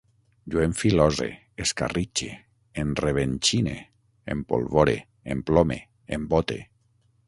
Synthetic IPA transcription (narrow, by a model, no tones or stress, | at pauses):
d͡ʒoeɱfilɔzḛ | eska̰rit͡ʃe | enreβ̞ent͡ʃinḛ | ḛmpo̰lβoɾḛ | emplɔme | embot̪ḛ